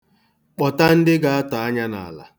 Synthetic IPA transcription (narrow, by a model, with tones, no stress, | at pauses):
k͡pɔ˨ta˦n̩˦dɪ˦ɡa˨a˦ta˨a˦ɲa˦na̰˨la̰˨